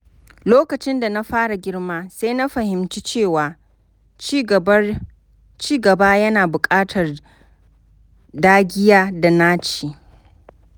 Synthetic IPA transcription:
loː˦kɐ˨t͡ʃɪ˦nda˨na˦ɸaː˦ɽa˨ɡʲɪ˦rmaː˦sa˦jna˦ɸɐ˨hɪ˨mt͡ʃi˦t͡ʃeː˦˨waː˨˦ | t͡ʃiː˦ɡɐ˨baː˦jɐ˦naː˨bʊ˨kʼaː˦tʰɐ˨r | daː˦ɡʲɪ˦jaː˦da˨naː˦t͡ʃeː˨

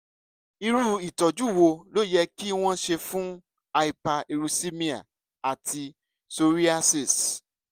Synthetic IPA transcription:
i˧ɾu˧˦i˨tɔ˨d͡ʒu˨˦˨wo˧lo˦jɛ˧ki˦w̃ɔ̃˦ʃe˧fũ˦ | a˧i˨pa˧e˧ɾu˧si˦mĩ˧a̰˨ | a˨tʰi˧ | so˧ɾi˦a˦si˨s

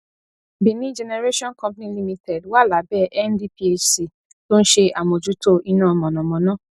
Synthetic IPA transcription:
bi˨nĩ˨˦d͡ʒɛ˧ne˧ɾe˦ʃɔ̃˦nkɔ̃˧˦pnĩ˦li˧mĩ˧tʰɛ˨dwa˦˨la˨˦bɛ˦˨ʔɛ˦ndi˦pi˧e˧si˨ | to˦n̩˦ʃe˧a˨mõ˨d͡ʒu˨˦to˦ʔi˧nãː˦˨ɔ˨mɔ̃˨nɔ̃˨mɔ̃˨˦nãː˦˨

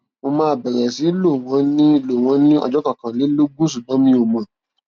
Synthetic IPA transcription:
mo˧mãː˦˨bɛ˨ɾɛ˨si˨˦lo˦˨w̃ɔ̃˨˦nĩ˦lo˨w̃ɔ̃˨˦nĩ˦ɔ̰˧d͡ʒɔ˦kã˨kã˨le˨˦lo˦ɡũ˦s̬u˦˨bã˨˦mĩ˦o˧˨mã˨

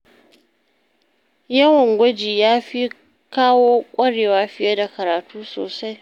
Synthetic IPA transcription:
jɐ˦wɐ˨ŋɡʷɐ˦d͡ʒiː˨jaː˦ɸi˦ | kaː˦woː˦kʷʼɐ˦ɽeː˨waː˦ɸɪ˦ja˦da˨kɐ˨ɾaː˨tuː˦so̰ː˨sa˦j

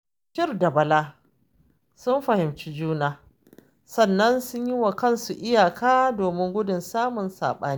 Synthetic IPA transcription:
ʃɪ˦rda˨bɐ˨laː˦ | sʊ˦mɸɐ˨hɪ˨mt͡ʃi˦d͡ʒuː˦naː˦ | sɐ˨nːɐ˦nsʊ˦ɲji˦wa˨kɐ˦nsu˨ʔɪ˦jaː˨kʰaː˦doː˨mɪ˦ŋɡʷʊ˦dʊ˨nsaː˦mʊ˨nsa̰ː˨ɓa̰ː˦ni˦

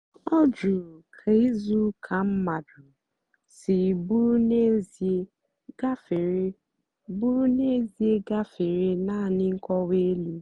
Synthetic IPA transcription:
ɔ˦d͡ʒu˨ɾu˨kʰa˨i˦zu˦kʰa˨m̩˦ma˨dʊ˨ | sɪ˨bu˦ɾu˦ne˦z | ɡa˦fɾ | bu˦ɾu˦ne˦zi˦e˦ɡa˦fɪ˨ɾɪ˦na˦˨nɪ˦ŋ̩˦kɔ˦we˦li˦

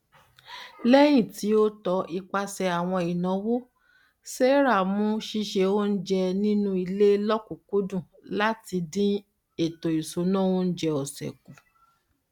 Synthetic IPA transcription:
lɛ˦j̃ĩ˦˨ti˨˦o˦tɔ˨˧˦ʔi˧k͡pa˧sɛ˧a˨w̃ɔ̃˧i˨nã˨˦wo˦ | se˦ɾa˦˨mũ˦ʃi˧ʃe˧o˦n̩˦d͡ʒɛ˧nĩ˦nũ˦i˧le˦lɔ˦ku˨ku˦dũ˦˨ | la˦ti˧dĩ˦ | e˨to˨i˨so˨˦nã˦wo˦n̩˦d͡ʒɛ˧ɔ˨sɛ̰˨ku˨

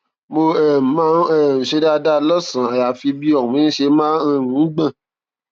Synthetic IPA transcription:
mo˧ɛ˦˨mã˦ɛ˦˨n̩˨ʃe˧da˧da˦lɔ˦sã˨a˨ja˨fi˧bi˦ɔ˦˨ũ˨˦ʃe˧mãː˦˧˨nũ˨˦ɡ͡bã˦˨

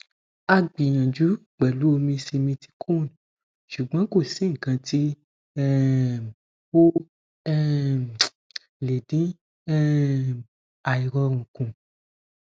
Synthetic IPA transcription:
a˧ɡ͡bi˨ñã˨d͡ʒu˨˦k͡pɛ˨lu˨˦o˧mĩ˧si˧mĩ˧ti̥˧kʰu˦˨n˨ | ʃu˨ɡ͡bã˨˦ko˦˨sĩ˨˦ŋ̩˨kã˧ti˦ | ɛ˦ | o˦ | ɛ˦ | le˨dĩ˨˦ | ɛ˦ | a˨i˨ɾɔ˧ɾ̃ũ˨kũ˨

